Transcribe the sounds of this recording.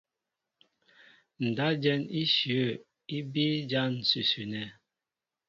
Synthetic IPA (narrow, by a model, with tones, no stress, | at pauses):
n̩˨da˦d͡ʒɛ˦ni˦ʃjə˦˨ | i˦bi˦d͡ʒa˦n̩˨sʉ˨sʉ˨nɛ˨